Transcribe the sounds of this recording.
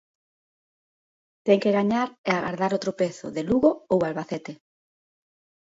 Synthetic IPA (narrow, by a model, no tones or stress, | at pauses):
t̪ɛŋkeɣaɲaɾɛaɣa̰ɾðaɾot̪ɾopeθʊ̰ðeluɣoowalβaθɛt̪e